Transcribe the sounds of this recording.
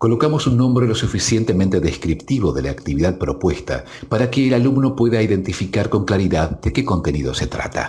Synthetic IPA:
ko̞lo̞kamosunːõmbɾolosufisje̞nt̪e̞mẽnt̪e̞ðeskɾipt̪iβo̞ðelaːkt̪iβiðað̚pɾo̞pwe̞st̪a̰ | paɾakeːlalumno̞pweðaiðe̞nt̪ifikaɾko̞ŋklaɾiðaðd̪ekeko̞nt̪e̞niðo̞̰se̞t̪ɾa̰t̪a̰

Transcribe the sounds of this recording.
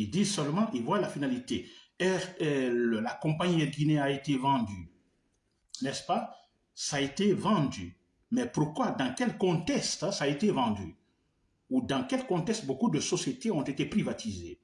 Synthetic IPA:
ild̪isœlmɑ̃ʔivwalafinalit̪e | ɛʁɛlakɔ̃paɲiɛɡineaet̪evɑ̃d̪y | nɛspa | saet̪evɑ̃d̪y | mɛpuʁkwad̪ɑ̃kɛlkɔ̃t̪ɛkst̪saːet̪evɑ̃d̪y̰ | ud̪ɑ̃kɛlkɔ̃t̪ɛkst̪̚bokud̪əsɔsjet̪eɔ̃t̪et̪epɾivat̪ʰizḛ

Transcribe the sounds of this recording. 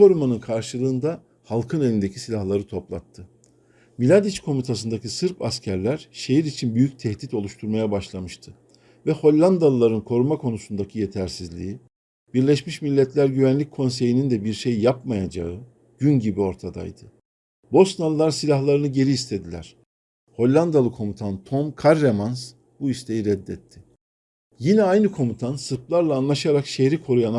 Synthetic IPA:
kʰo̞ɾumanɯnkʰaɾʃɯlˠɯːnd̪a | halˠkʰɯne̞lʲind̪ecʰisilʲahlˠaɾɯt̪ʰo̞plˠa̰t̪ʰːɯ | milʲad̪it͡ʃkʰo̞mit̪ʰasɯnd̪acʰisɯɾpʰascʰæɾlʲæɾ̥ʃe̞jiɾit͡ʃʰinbyjyc̚t̪ʰɛhd̪it̪o̞lˠuʃt̪ʰuɾmajabaʃlˠamɯʃt̪ʰɯ | vɛho̞lʲːˠand̪alˠlˠaɾɯnkʰo̞ɾumakʰo̞nusund̪acʰijet̪ʰæɾsizlʲḭi | b̥iɾlʲɛʃmiʃmilʲːɛt̪ʰlʲæɾɟyvænlʲic̚ʲkʰo̞nse̞jinind̪ɛbiɾʃejjapmajad͡ʒa̰ɯ | ɟ̥ynɟibio̞ɾt̪ʰad̪a̰jd̪̥ɯ | bo̞snalˠɯlˠaɾsilʲaxlˠaɾɯnɯɟe̞ɾiːst̪ʰe̞d̪ilʲæ̰ɾ̥ | ho̞lʲlːˠand̪alˠɯkʰo̞mut̪ʰant̪ʰomkʰaɾːemans | buist̪ʰe̞jiɾɛd̪ːɛt̪ʰːɪ | jinɛajnɯkʰo̞mut̪ʰansɯɾplˠaɾlˠaːnlˠaʃaɾakʃeɾikʰo̞ɾujana

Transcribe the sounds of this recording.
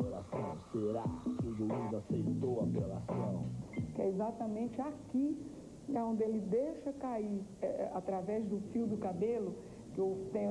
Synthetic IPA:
oɾasɐ̃w̃seɾakɪʊʒuizasejt̪owɐpola̰sɐ̰̃w̃kɪɛ̰ezat̪ɐmẽt͡ʃɪaki | õnd̪ɪelɪd̪ejʃɐkaiɾɛat̪ɾavɛzd̪ʊfiwd̪ʊkabelʊ | kɪewt̪ẽ

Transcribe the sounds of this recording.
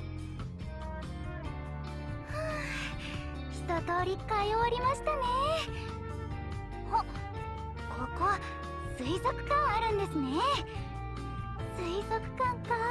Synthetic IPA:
a | çi̥t̪o̞t̪o̞ːɾʲikaioɾʲimaɕi̥t̪ane̞ | ho | koko̞βa | sɨizo̞kɯ̟̥kãɰ̃aɾɯ̟̃nd̪e̞sɨne̞ | sɨizo̞kɯ̟̥kãŋka

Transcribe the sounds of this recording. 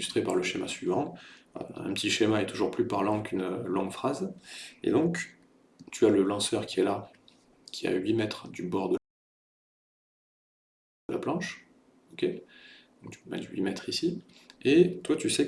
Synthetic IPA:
yst̪χepaʁləʃema̰sɥivɑ̰̃ | ɛ̰̃pət̪iʃemaɛt̪uʒuʁplypaʁlɑ̃kʰynlɔ̃ŋɡfχazḛd̪ɔ̃k | t̪ʰyaləlɑ̃sœʁkʲiɛla | kʲia̰ɥimɛt̪χd̪ybɔʁd̪ə | əlaplɑ̃ʃ | okʲed̪ɔ̃kt̪y̥ma̰d̪yɥḭmɛt̪χisiet̪wat̪ysɛ

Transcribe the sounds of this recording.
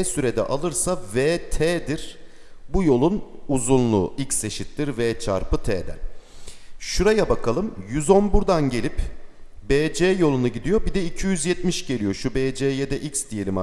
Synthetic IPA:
ɛsyɾe̞d̪ɛ̰ʔalˠɯɾsaveːt̪ʰeːd̪iɾ̥ | bujo̞lˠunuzunlˠuicse̞ʃit̪ːʲiɾvɛt͡ʃʰa̰ɾpɯt̪ʰḛːd̪ɛ̰ | ʃuɾajabakʰalˠɯmjyzo̞nbuɾd̪anɟe̞lʲipbeːd͡ʒeːjo̞lˠunuɟid̪ijo̞bid̪ɛicʰijyzjɛt̪miʃɟe̞lʲijo̞ʃubeːd͡ʒejɛd̪ɛʔicsd̪ije̞lʲima

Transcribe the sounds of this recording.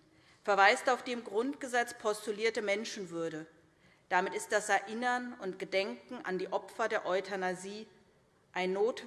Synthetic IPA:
fɛɐvaɪstaʊfd̥eːmɡʁʊntɡ̥əzɛt͡spʰɔstuliːɐtəmɛnʃn̩vʏɐdə | d̥amɪtɪst̚d̥asɛɐʔɪnɐnʊntɡ̥ədɛŋkŋ̩ʔa̰ndiːʔɔpfɐdeːɐʔɔʏtʰanaziː | ʔaɪnːoːt

